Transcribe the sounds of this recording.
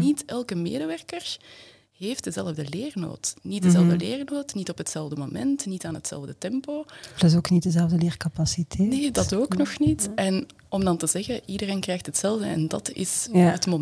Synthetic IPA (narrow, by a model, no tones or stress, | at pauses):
nitɛlˠkəmḛːdəʋɛrkər | ɦeːft̚dəzɛlˠəvdəleːrno̰ːtnit̚dəzɛlˠəvdəleːrnoːtnitɔpɦətsɛlˠvdəmo̰mɛntnitaːnətsɛ̰lˠvdətɛmpoːpləzoːknit̚dəzɛlˠvdəleːrkapasitʰɛnedɑtoːknɔxnitɛn | ɔmdɑntəzɛɣəʔidəreːnkrɛjxtɦətsɛlˠvdəɛ̰ndɑ̰tɪ̰sɦətmo